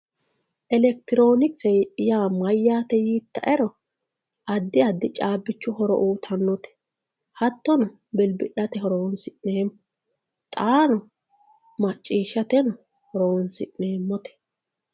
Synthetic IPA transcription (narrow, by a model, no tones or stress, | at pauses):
ʔɛlɛk̚t̪ɪɾo̞ːnɪksɛjjaːmɐjːaːt̪ɛjiːt̪ːɐʔɛɾɔ | ʔɐd̪ːɪɐd̪ːɪt͡ʃʼaːbːɪt͡ʃːʊhɔɾɔ̰ʔuːt̪ʰɐnːɔt̪ɛ̥ | hɐt̪ːɔnɔ | bɛlbɪᶑɐt̪ɛhɔɾoːnsɪʔneːmːɔ | t̪ʼaːnɔ | mɐt͡ʃʼːiːʃːɐt̪ɛnɔ | hɔɾoːnsɪ̰ʔne̞ːmːɔt̪ɛ̥